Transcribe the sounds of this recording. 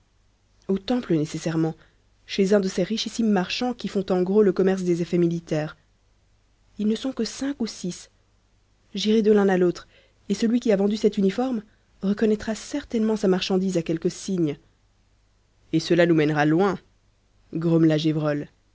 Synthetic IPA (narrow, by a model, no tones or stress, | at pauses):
ot̪ɑ̃plənesesɛʁmɑ̃ | ʃezɛ̃d̪əseʁiʃisimːaʁʃɑ̃kʲifɔ̃t̪ɑ̃ɡʁoləkɔmɛʁs̬d̪ezefɛmilit̪ɛːʁ | ilnəsɔ̃kəsɛ̃kusis | ʒiʁed̪əlɛ̃nalot̪χ | esəlɥikʲiavɑ̃d̪ysɛt̪ynifɔʁm | ʁəkɔnɛt̪χasɛʁt̪ɛnmɑ̃samaʁʃɑ̃d̪izakʲɛlkəsiɲ | esəlanumɛnʁalwɛ̃ | ɡʁɔmlaʒevʁɔl